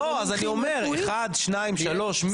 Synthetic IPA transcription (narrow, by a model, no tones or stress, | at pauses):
oazaniome̞ʁeχad̪ʃnaimʃalo̞ʃm